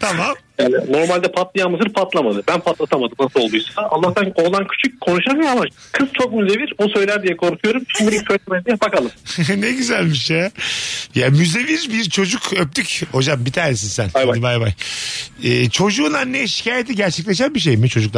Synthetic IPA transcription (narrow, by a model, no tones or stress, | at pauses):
t̪ʰamamjaːnino̞ɾmalʲd̪ɛpʰat̪lˠijamɯzɯɾpʰat̪lˠamad̪ɯbænpʰat̪lˠat̪amad̪ɯmnasɯlˠo̞lˠd̪ujsaaa̰lˠːaht̪ʰanolˠancʰy̥t͡ʃʰyc̚kʰːo̞nuʃaɾmjamakʰɯzt͡ʃʰo̞k̚myze̞viɾbusø̞jlʲæɾd̪ijɛkʰo̞ɾkʰujo̞ɾumt͡ʃʰimbiɾisøjlʲɛmɛd̪ijɛbakalˠɯmnɛɟyzælʲmiʃjɛ | jamyze̞viɾbiɾt͡ʃʰo̞d͡ʒukʰøp̚t̪ʰycho̞d͡ʒambit̪ʰaːnesinsænajbabajbaj | ɛːt͡ʃʰo̞d͡ʒuːnanːɛʃi̥caːjet̪ʰɛɟæɾt͡ʃʰɛclʲeʃ̬ænbiʃ̬ejmit͡ʃʰo̞d͡ʒuklˠ